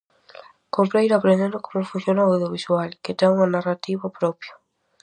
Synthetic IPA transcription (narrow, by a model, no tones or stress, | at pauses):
kompɾaiɾapɾend̪end̪okomuɾfunsjonoawðjoβiswaliket̪auŋanarat̪iβapɾopjo